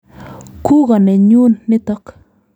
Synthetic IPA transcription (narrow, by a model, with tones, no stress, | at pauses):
ku˦ɡɔ˨nɛ˨ɲu˦nːɪ˦t̪ɔ˦k